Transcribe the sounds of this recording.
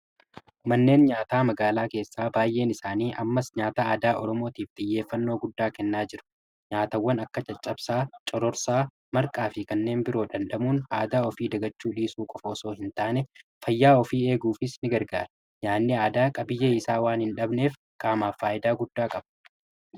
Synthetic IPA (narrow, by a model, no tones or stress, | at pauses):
mɐnːe̞ːnɲaːt̪aːmɐɡaːlaːke̞ːsːaːbaːjʔe̞ːnɪsaːniːʔɐmːɐsɲaːt̪aaːd̪aːʔɔɾɔmo̞ːt̪iːft̪ʼɪjːe̞ːfːɐnːo̞ːɡʊd̪ːaːkɛnːaːd͡ʒɪɾʊ̥ | ɲaːt̪ɐwːɐnɐkːɐt͡ʃʼɐt͡ʃʼːɐbsaːt͡ʃʼɔɾɔɾsaː | mɐɾkʼaːfɪkɐnːe̞ːnbɪɾo̞ːᶑɐnɗɐmuːnaːd̪aːɔfiːd̪ɐɡɐt͡ʃːuːᶑiːsuːkʼɔfoːsoːhɪnt̪aːnɛfɐjːaːɔfiːe̞ːɡuːfɪsnɪɡɐɾɡaːɾɐ̥ | ɲaːnːɪaːd̪aːkʼɐbɪjːɛɪsaːwaːnhɪnᶑɐbne̞ːf | kaːmaːfːaːʔɪd̪aːɡʊd̪ːaːkʼɐb̥